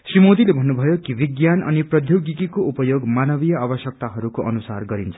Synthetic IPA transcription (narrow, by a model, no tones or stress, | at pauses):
srimod̪ilebʱʌnːubʱʌjokibiɡjanʔʌ̰niprʌd̪ʱjoɡikikoʔupʌjoɡmanʌbijʌabʌsjʌk̚t̪aɦʌɾukoʔʌnusarɡʌɾint͡sʰʌ̥